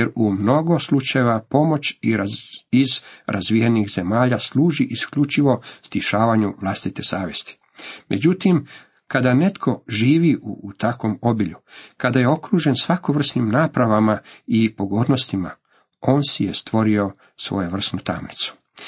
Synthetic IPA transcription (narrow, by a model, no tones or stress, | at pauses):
jeɾumno̞ɡo̞slˠut͡ʃajeʋapo̞mo̞t͡ɕiɾizɾʔazʋijanixze̞maːʎaslˠuːʒiʔiskʎut͡ʃiʋo̞st̪iʃaːʋaɲuʋlˠast̪it̪e̞saːʋje̞st̪i̥ | me̞d͡ʑut̪im | kad̪ane̞t̪kʰo̞ʒiːʋiʔuːt̪ako̞mo̞biʎukad̪aje̞o̞kɾuːʒe̞nsʋakoʋr̩snimnaːpɾaʋamaipo̞ɡo̞ːd̪no̞st̪ima̰ | oːnsijest̪ʋo̞ɾio̞ | sʋo̞̰juʋr̩snut̪a̰mnit̪su̥